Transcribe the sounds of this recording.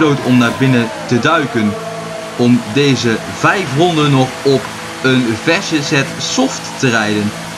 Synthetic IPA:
lowtɔmnaːɹbɪnətədœɥkən | ɔmdejzə | vɛjfrɔndənːɔχɔp | ənvɛɹsəsɛtsɔftː | ərɛjdən

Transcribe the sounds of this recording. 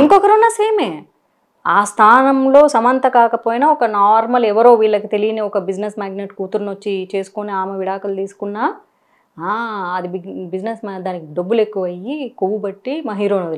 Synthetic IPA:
iŋkɔkɐɾunːɐseːmeː | aːst̪ʰaːnɐmlo̞ːsɐmɐnt̪ɐkaːkɐpoːjinɐɔkɐnaːɾmɐlɛʋɐɾo̞ːʋiːɭːɐkit̪e̞lijɐneːɔkɐbid͡ʒnesmaːɡneʈkuːt̪uɾnot͡ʃːit͡ʃe̞ːsu̥koneaːmeʋiɽaːkɐlt̪iːsu̥kunːaː | aːɐd̪ibbid͡ʒnesmd̪aːnikiɖɐbːule̞kːuʋɐjikuʋubɐʈːimɐːɦiːɾoːnɐd̪il

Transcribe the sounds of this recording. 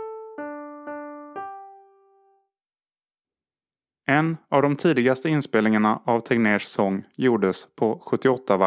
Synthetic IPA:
ʔɛnavd̪ɔmt̪ʰiːd̪ɪɡast̪əɪnspeːlnɪŋaɳaʔavt̪ʰɛɡneːʂsɔŋːjuːɖəspʰɔɧɵt̪ːɪɔt̪ʰːava

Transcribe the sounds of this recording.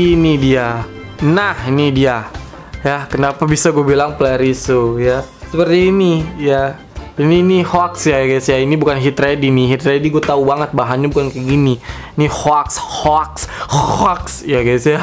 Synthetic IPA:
inidia | nahinidia | jakənapabisaɡuabilaŋplaɾisujasəpərt̪iːnija | iniːnihɔksjajaɡasiainibukanɦit̪ɾediniɦit̪ɾediɡuat̪aubaŋət̪̚baɦanɲabukankəɡini | nihɔkshɔkshhɔksjaɡasia

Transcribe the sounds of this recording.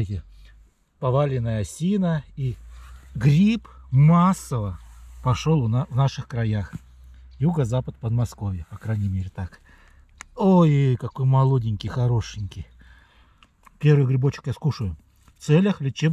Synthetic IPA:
tʲɪ | pɐvalʲɪnəjəɐsʲinəi | ɡɾʲipmasːəvəpɐʂolˠvnaʂɨxkɾɐjax | juɡəzapət̪̚pəd̪mɐsko̞vʲjɪpɐkɾajnʲɪmʲeɾʲɪt̪ak | ojejkɐko̞jmɐlˠo̞dʲɪnʲkʲɪjxɐɾo̞ʂɪnʲkʲɪj | pʲe̞ɾvɨjʊɡɾʲɪbot͡ɕːɪ̥kjaskuʂəjʊ | ft̪sɛlʲəxlʲɪt͡ɕeb

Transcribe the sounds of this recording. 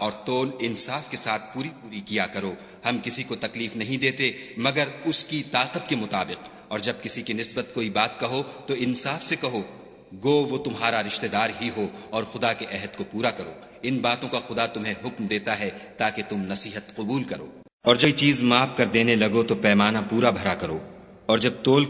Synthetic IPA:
ɔːɾt̪oːlɪnsaːfkesaːt̪̚ʰpuːɾipuːɾikijakɐɾoː | hɐmkɪsikot̪ɐkliːfnɐɦĩd̪eːt̪emɐɡəɾʊskit̪aːqət̪̚kemʊt̪aːbɪq | ɔːɾd͡ʒɐb̚kɪsikinɪsbət̪koːibaːt̪̚kɐɦot̪oɪnsaːfsekɐɦo | ɡoːʋot̪ʊmɦaːɾaɾɪʃt̪ed̪aːɾɦiɦoɔːɾxʊd̪akeʔɛɦəd̪kopuːɾakɐɾo̰ː | ɪnbaːt̪õkaxʊd̪at̪ʊmɦẽɦʊkmd̪eːt̪aɦɛt̪aːket̪ʊmnɐsiːɦət̪qʊbuːlkɐɾo̰ː | ɔːɾd͡ʒɐit͡ʃiːzmaːfkɐɾd̪eːnelɐɡot̪opɛːmaːnapuːɾabʱɐɾakɐɾoː | ɔːɾd͡ʒɐb̚t̪oːl

